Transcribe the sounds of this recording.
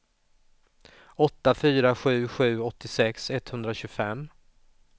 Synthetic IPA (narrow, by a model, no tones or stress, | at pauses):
ɔt̪ːafyːɾaɧʉ̟ːɧʉ̟ːɔt̪ːɪsɛksɛt̪ːhɵnd̪ɾaɕɵɡfɛm